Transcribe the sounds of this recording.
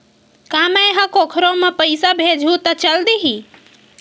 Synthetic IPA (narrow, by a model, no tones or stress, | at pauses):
kaməjɦə̃kokʰɾomepəjsabʱed͡ʒʱɦut̪ət͡ʃəld̪iɦi